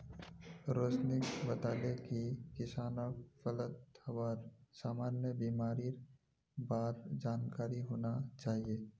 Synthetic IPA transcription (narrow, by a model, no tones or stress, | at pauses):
ɾoːsnɪkbɐt̪aːlekikɪsaːnafələt̪həwaːɾsaːmaːnjəbiːmaːɾiɾ | baːt̪d͡ʒaːnkaːɾiɦoːnat͡ʃaːɦieː